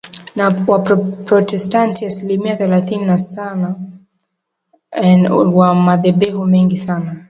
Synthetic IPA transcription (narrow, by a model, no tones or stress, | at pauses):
nawappɾɔtɛstantiasilimiaθɛlaθininasana | wamaðɛɓɛhumɛŋɡisana